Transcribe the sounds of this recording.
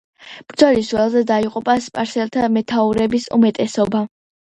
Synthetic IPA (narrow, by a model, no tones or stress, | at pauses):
b̥ɾd̪zɔlisuwɛlˠzɛd̪aiqʼupʼaspʼaɾsɛlˠt̪ʰamɛt̪ʰauɾɛbisṵmɛt̪ʼɛsɔba